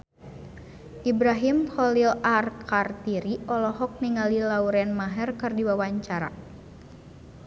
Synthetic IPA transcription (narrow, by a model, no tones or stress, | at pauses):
ʔibɾaɦimhɔlilarkʰart̪iɾiʔɔlɔɦɔk̚niŋalilauɾɛnmaɦɛrkɨrdiwawaɲt͡ʃaɾa̰